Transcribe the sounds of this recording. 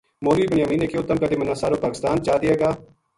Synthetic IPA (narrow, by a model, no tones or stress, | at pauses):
moːɾiːbənjaːmĩːneːkeʊt̪ːəmkəd̪eːmənaːsaːɾoːpaːkɪst̪aːnt͡ʃaːd̪ɪeːɡaː